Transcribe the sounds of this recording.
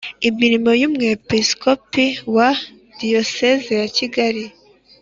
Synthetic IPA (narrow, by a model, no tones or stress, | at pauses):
imiɾimo̞jumŋepiskopiwa | dijosezejaciɡaɾi